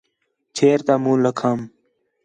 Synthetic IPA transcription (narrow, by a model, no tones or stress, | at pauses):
t͡ʃʰeːɾt̪aːmũːləkʰaːm